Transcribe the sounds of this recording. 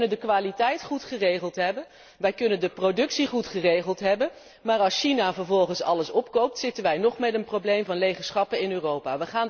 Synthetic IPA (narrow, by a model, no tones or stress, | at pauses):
nəndəkʋaːlitɛjtχutχərejχəlˠtɦɛbən | ʋɛjkɵnəndəprodɵksiχutχərejχəlˠtɦɛbən | maːɹɑlˠsʃinaːvəɹvɔlˠχənsɑ̰ləsɔpkowp̚tsɪtənʋɛjnɔχmɛtənprowblejmvɑnlejχəɹsχɑpənɪnøːrowpaːʋəχaːn